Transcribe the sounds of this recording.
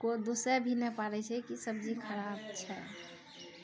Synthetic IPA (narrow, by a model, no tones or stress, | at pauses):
kod̪osɛbʱinɛpaɾɛt͡ʃʰɛkisəb̚d͡ʒikʰəɾabt͡ʃʰɛ